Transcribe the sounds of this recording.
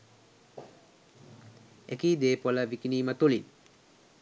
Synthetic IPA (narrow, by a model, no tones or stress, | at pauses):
ekiːd̪eːpoləʋikiniːmət̪ulin